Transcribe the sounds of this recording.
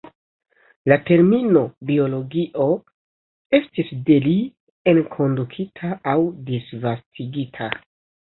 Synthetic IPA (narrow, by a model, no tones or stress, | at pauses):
late̞ɾmino̞bio̞lo̞ɡiʔo̞ | e̞stisde̞li | e̞nkʰo̞ndukʰitʰaawdisvastʰiɡitʰa